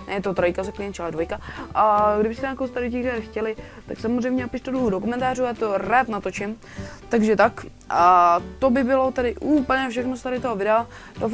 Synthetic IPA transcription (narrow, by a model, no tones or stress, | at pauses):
nɛjɛt̪od̪ɾojkazaklijɛnt͡ʃɛlɛd̪vojkaʔaɡdɪbɪst̪ɛɲaːkowst̪aɾɪcikaxcɛlɪ | t̪a̰ksamozrɛjmɲɛapɪʃt̪ɛduudokumɛnt̪aːrujaːt̪oɾaːt̪nat̪o̞t͡ʃɪm | t̪aɡʒɛt̪ak | at̪obɪbɪlo̞t̪ɛɾɪʔuːpl̩ɲɛfʃ̬ɛxnosɛt̪aɾɪt̪oɦovɪdɛa | dof